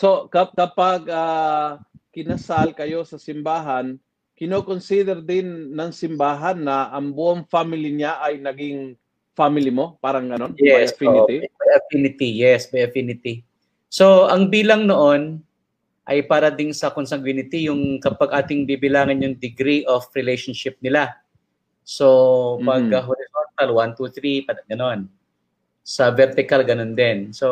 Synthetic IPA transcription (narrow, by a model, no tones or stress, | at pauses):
so̞kɐkɐpaɡ̚ʔaː | kɪnɐsalkɐjo̞sɐsɪmbaːɦɐn | kɪnokonsid̪ɛɾd̪ɪnːɐŋsɪmbaːɦɐnːɐʔɐŋbʊʔoŋfamɪliɲaʔɐjnɐɡɪŋ | famɪlimo̞paːɾɐŋɡɐnonjɛsfinɪibɐfinɪt̪ijɛsbɛjɐfinɪt̪i | so̞ʔɐŋbiːlɐŋnoʔo̞n | ʔɐjpaːɾɐd̪ɪnsɐkonsɐŋɡwinɪt̪ijʊŋkɐpɐɡʔaːt̪ɪŋbibɪlaːŋɐnjʊŋd̪ɪɡɾiʔofɹɪlejʃonʃɪp̚nɪla | so̞pɐɡɐɦoɾɪsont̪ɐlwant̪uθɾipɐɐɡɐno̞n | sɐvɛɾt̪ɪkɐlɡɐno̞nd̪ɛnso